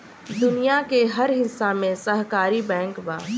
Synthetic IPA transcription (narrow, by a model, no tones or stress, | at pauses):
d̪ʊnijakeɦɐɾɦɪsːamẽsəɦkaːɾibɛ̃ːŋkba̰ː